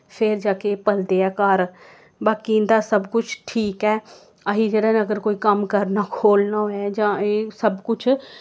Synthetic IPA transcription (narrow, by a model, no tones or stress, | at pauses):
pʰɪɾd͡ʒaːkepəld̪eɛːkaːɾ | baːkĩnd̪asəbkʊt͡ʃʰʈʰiːkɛː | aɦid͡ʒeːɽaːnẽəɡəɾkoːikəmkəɾnaːkʰoːlnaːoɦɛːd͡ʒãːeːsəbkʊt͡ʃʰ